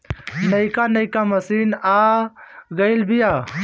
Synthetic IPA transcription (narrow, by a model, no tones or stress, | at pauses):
nɐikaːnɐjkamɐsinaːɡɐilbija